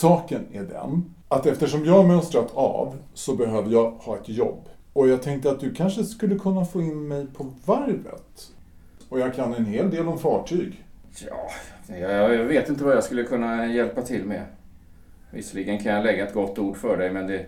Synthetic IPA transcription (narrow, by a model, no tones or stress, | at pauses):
sɑːkənæɖɛ̰n | at̪ɛft̪əʂɔmjɑːamœst̪ɾat̪ʰɑ̰ːvsɔbɛɦøːvəjɑhɑːɛt̪jɔ̰bː | ɔjɑːɡ̚t̪ʰɛŋk̚t̪əat̪̚d̪ɵkʰanʂəskɵlːəkʰɵnːafoːɪnmɛjpʰɔvaɾvə̰t̪ | ɔjɑːɡkʰanɛnheːld̪eːlɔmfɑːʈʰyːɡjɑːjɑjɑveːt̪ɪnt̪̬əvajaskɵlːəkʰɵnːajɛlpat̪ʰɪlmɛ̰ | vɪ̰sliːɡənkʰanjalɛɡːaɛt̪̚ɡɔt̪ːuːɖfœɖɛjmɛnd̪ɛ